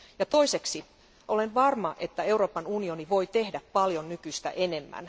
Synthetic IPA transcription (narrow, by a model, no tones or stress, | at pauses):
jɑt̪o̞iseksi | ʔo̞lenʋɑrmɑʔet̪ːæe̞uro̞ːpɑnunio̞niʋo̞jt̪ehdæppɑljonnykyst̪æ̰ʔene̞mːæ̰n